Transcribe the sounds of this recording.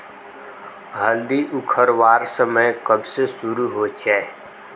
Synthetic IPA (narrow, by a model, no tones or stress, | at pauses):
ɦəld̪iʔʊkʰəɾʋaːɾsəməjkəbsesʊɾuɦoːt͡ʃa